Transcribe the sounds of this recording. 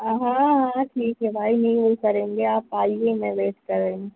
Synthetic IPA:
ɦãɦãʈʰiːkɦɛbʱaːinɐɦĩʋokɐɾẽːŋɡeaːpaːiemɛ̃beːʈkɐɾːəẽĩ

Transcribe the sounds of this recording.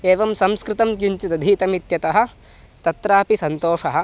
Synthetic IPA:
eːʋɐmsɐmskɾɪt̪ɐmkuɲt͡ʃit̪ɐd̪ʱit̪ɐmit̪jɐt̪ɐɦɐ̆ | t̪ɐt̪ɾaːpisɐnt̪oːʂɐɦɐ̆

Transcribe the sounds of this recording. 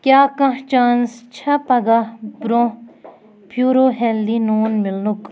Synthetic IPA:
kjaːkɐ̃t͡ʃaːnst͡ʃʰɐpɐɡabɾõː | pʰjuːɾoːɦeldinoːnmɪlnuk

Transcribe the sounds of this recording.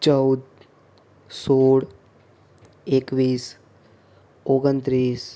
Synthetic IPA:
t͡ʃəwd̪̚ | soɽ | ekʋiːs | oɡənt̪ɾiːs

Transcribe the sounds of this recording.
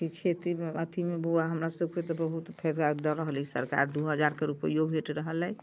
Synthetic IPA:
kikʰet̪iət̪ʰimeɡoaɦəmɾasəbket̪ɔbəɦut̪pʰɛd̪kad̪ɔɾəɦəlisə̰ɾka̰ɾd̪uɦəd͡ʒaɾkeɾupəijobʱeʈɾəɦəlɛj

